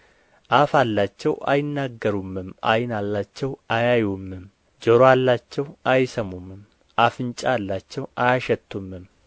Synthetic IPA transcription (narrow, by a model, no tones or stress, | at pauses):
ʔafalːat͡ʃːɛwa̰jɪnːaɡːəɾumːɨma̰jɪnalːat͡ʃːɛwajajumːɨm | d͡ʒəɾoalːat͡ʃːɛwajsəmumːɨm | ʔafɨnt͡ʃʼaalːat͡ʃːɛwajaʃɛt̪ʰːumːɨm